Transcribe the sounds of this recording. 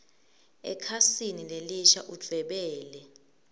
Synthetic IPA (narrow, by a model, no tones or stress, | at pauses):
ɛ̰kʰasinileliʃaʔud̥ʱwɛɓɛːlɛ